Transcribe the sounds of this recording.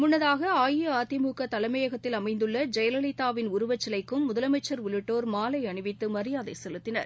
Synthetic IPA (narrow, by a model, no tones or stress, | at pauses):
mʊnːɐðaːɣɐaːjiaːt̪ɪmuːkɐt̪ɐlɐɪmɐjɐɣɐt̪ːɪlɐmɐɪnd̪ɯɭːɐd͡ʒɐjɐlɐlɪt̪ːaːʋɪnʊɾʊʋɐt͡ʃːɐlɐɪkːɯmːʊðɐlɐmɐɪt͡ʃːɐɾʊɭɪʈːoːɾmaːlɐɪɐɳɯʋɪt̪ːɯmɐɾɪjaːðɐɪsɛlɯt̪ːɪnɐ̰ɾ